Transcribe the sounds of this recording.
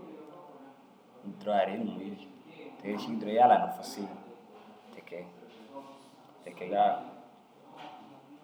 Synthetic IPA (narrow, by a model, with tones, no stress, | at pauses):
n̩˨dɾɔ˦a˨ɾe˨˦ni˨mu˨ji˦ɾi˨tɛ˨˦ʃi˦n˦dɾɔ˦ja˦la˨na˨fɔ˨se˦ | tʰɛ˨kɛ˨ | tɛ˨kɛ˨ɡa˦